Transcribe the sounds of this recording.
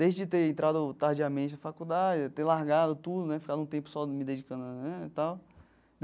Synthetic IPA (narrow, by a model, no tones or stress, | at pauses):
d̪ejzd͡ʒɪt̪eɾẽnt̪ɾad̪ʊt̪aɾd͡ʒiamẽt͡ʃɪnɐfakud̪ad͡ʒɪt̪elaɦɡad̪ʊt̪ud̪ʊnɛfi̥kad̪ʊũt̪̬ẽpʊ̥sɔmɪd̪ed͡ʒikɐ̃d̪ɛt̪aw | d̪